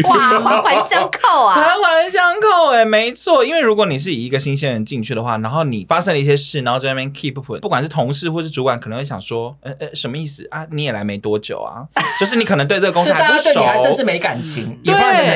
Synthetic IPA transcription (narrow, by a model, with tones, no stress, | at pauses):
nxwa˦xwa˧˥ɕɑ˥ŋkʰo˥˩ʊ˨a˧˥nxwa˧˦nɕjɑ˥ŋkʰo˥˩ʊɛ˨˩me˧˥ɪt͡sʰwɔ˥˩i˥nwe˥˩ɪɻu˧˥kwɔ˧˦ni˨˩ʂ̬ɻ̩˥˩i˨˩i˧˦ɡə˧ɕi˥nɕ̬ɛ˥nɻə˧˦nt͡ɕi˥˧ŋt͡ɕʰy˥˩d̪ə˩xwa̰˥˩na˧˥nxo˥˩ʊni˨˩fa˦ʂɤ˥ŋlə˧i˥˩ɕjɛ˥ʂɻ̩˥˩na˧˦˥xo˥˧t͡ɕjɛ˥˧nkʰi˥˧pu˥˩pʰṵ˨˩pu˥˩kwa˨˩nʂ̬ɻ̩˥˩t̪ʰʊ˧˥ŋʂɻ̩˥˨xwɔ˥˧ʂ̩˥˩u˧˥kwa˨˦nk̪ʰə˧˦ŋwjɑ̰˨˩ŋswɔ˥ɛ˧˩ʔʂə˧˥mə˧i˥˩sɹ̩˨˩ʔa˦ni˨˦jɛ˨˩la˧˥ɪme˧˥ɪt̪wɔ˦˥t͡ɕjo̰˨˩ʊa̰˩t͡ɕjo˥˧ʊʂɻ̩˥˩ni˧kʰɤ˨˩nə˧˦t̪we˥˧ɪt͡sə˥˩ɡə˧˥ŋ˥˨˥ʂoi˨˩a˧˦ə˥˧ʂɻ̩˥˩me˧ɪka˨˩nt͡ɕʰḭ˧˥˦ŋt̪we˥˩